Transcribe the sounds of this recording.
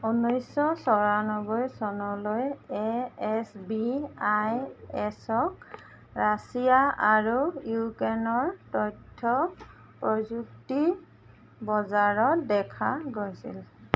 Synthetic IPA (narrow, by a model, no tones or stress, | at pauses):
onojsːɔsɔɹanɔbɔjsɔnɔlojɛɛsbiajɛsɔk̚ | ɹasijaaɹujukɛnɔɹtɔjtʰːɔ | pɹɔzukti | bɔzaɹɔtdɛkʰaɡojsḭl